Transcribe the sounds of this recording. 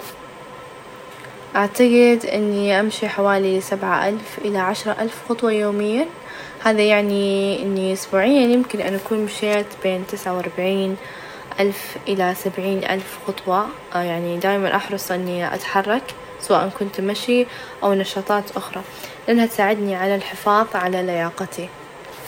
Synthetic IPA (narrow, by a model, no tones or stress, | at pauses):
ʔaʕt̪aɡɪd̪ʔɪ̰nːiʔamʃiħawaːlisabʕa̰ʔalfʔɪlaʕaʃɾˤɑʔalfxɑt̪ˤwɑjoːmɪjːa | haːðajaʕniʔɪnːiʔʊsbuːʕɪjːajɪmkɪnʔanʔakuːnmaʃaːt̪beːnt̪ɪsʕawʔɑɾˤbaʕiːn | ʔalfʔɪlasabʕiːnʔa̰lfxɑt̪ˤwɑ | jaʕnid̪aːjmanʔɑħɾˤɑsˤʔɪnːiʔa̰t̪ħɑrˤːɑk | sawaːʔɪnkʊnt̪maʃi | ʔawnɑʃɑːt̪ˤɑːt̪ʔʊxɾˤɑ | lʔanhat̪saːʕɪd̪niʕalalħɪfɑːðˤʕalalajɑːqɑt̪i